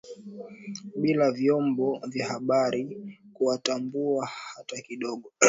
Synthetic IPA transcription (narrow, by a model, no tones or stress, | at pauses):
ɓilavjɔmbɔvjahaɓaɾikuwatambuahatakiɗɔɠɔ